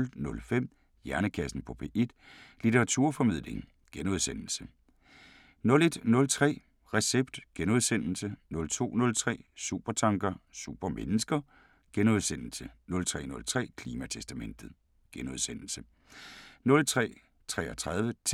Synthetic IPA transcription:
lnɔ̽lfem̰ | jæɐnəkʰæsn̩pʰɒ̽pʰe̝ʔe̝d̥lit͡sʰeʁɑt͡sʰuɐ̰fɒ̽mið̰ˠle̝ŋ | ɡ̥enuð̞ˠsen̰l̩sə | nɔ̽le̝d̥nɔ̽lt͡sʰʁɛ̰ː | ʁɛseb̥̚d̥ɡ̥enuð̞ˠsen̰l̩sənɔ̽lt͡sʰo̝̰ːnɔ̽lt͡sʰʁɛ̰ːsṵb̥ɐt͡sʰɑ̈ŋɡ̥ɐsṵb̥ɐmenəsɡ̥ɐ | ɡ̥enuðˠsen̰l̩sənɔ̽lt͡sʰʁɛ̰ːnɔ̽lt͡sʰʁɛ̰ːkʰliːmæt͡sʰesd̥æmen̰d̥ð̞̩ˠ | ɡ̥enuðˠsen̰l̩sə | nɔ̽lt͡sʰʁɛ̰ː | t͡sʰʁɛ̰ːɐt͡sʰʁað̞ˠʋət͡sʰ

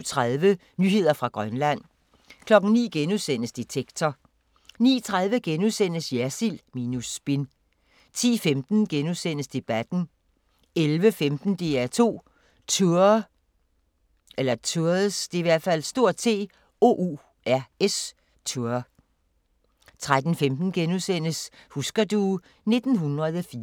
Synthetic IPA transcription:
t͡sʰʁaðˠʋə | nyːɦe̝ð̞̰ˠɐfʁɑ̈ɡ̥ʁɶnlæn̰ | kʰlɒ̽ɡ̥n̩nḭːɡ̥enuðˠsen̰əsd̥it͡sʰeɡ̥t͡sʰɒ | nḭːt͡sʰʁað̞ˠʋəɡ̥enuðˠsen̰əsjæɐsilmiːnusb̥en | t͡sʰḭːfemd̥n̩ɡ̥enuðˠsen̰əsd̥e̝b̥æd̥n̩ | elʋəfemd̥n̩d̥e̝ːæɐt͡sʰo̝̰ː | t͡sʰuɐ | elɐt͡sʰuɐðˠsd̥e̝iʋæɐ̰d̥fæl̰sd̥o̝ɐ̰t͡sʰe̝̰ː | o̝̰ːʔu | æɐes | t͡sʰu | t͡sʰʁad̥n̩femd̥n̩ɡ̥enuðˠsen̰əs | husɡ̥ɐd̥u | ne̝d̥n̩ɦunʁɐð̞ˠəfi

